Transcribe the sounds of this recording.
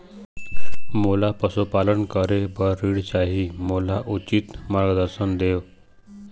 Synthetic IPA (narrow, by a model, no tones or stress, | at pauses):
molapəsupalənkəɾebʱəɾːiɽt͡ɕaɦiːmolaʔut͡ɕiːt̪maɾɡd̪əɾsənd̪eʋ